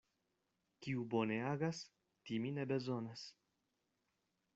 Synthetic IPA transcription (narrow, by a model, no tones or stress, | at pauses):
kiuboneaɡas | t̪iminebezonas